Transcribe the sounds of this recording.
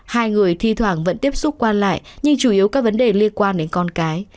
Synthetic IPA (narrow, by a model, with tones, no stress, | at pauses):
haː˧jŋɨ˨˩əjt̪ʰi˧t̪ʰwaː˧˩ŋvə̰˧˥nt̪i˦˥əp̚sʊ˦˥p̚kwaː˧nla̰ː˧˨jɲɨ˧ŋt͡ɕu˧˩ʔi˨˦wkaː˦˥k̚və˨˦nɗe˨˩li˧ənkwaː˧nɗe˨˦nkɔ˧nkaː˨˦j